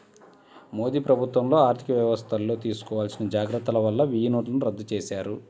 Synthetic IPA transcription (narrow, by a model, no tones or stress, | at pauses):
mo̞ːd̪iːpɾɐbʱut̪ʋɐmlo̞ːaːɾt̪ʰi̥kɐʋjɐʋɐst̪ʰɐlːo̞ːt̪iːsu̥kɔːʋaːlsinɐd͡ʒaːɡɾɐt̪ːɐlɐʋɐlːɐʋijnoːʈlɐnuɾɐd̪ːut͡ʃeːsaːɾu